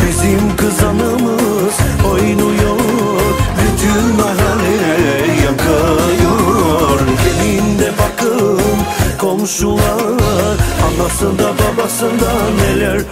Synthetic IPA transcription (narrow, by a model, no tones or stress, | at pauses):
bizimkʰɯzanɯmɯ | zojɯnujo | ɾbyt̪ʰynmaɦɛlɛɾɛjɑkʰɯjoɾɟenind̪ɛbakʰɯmkʰo̞mʃulˠaɾɑnlːˠasɯnd̪ababasɯnd̪anelʲɛɾ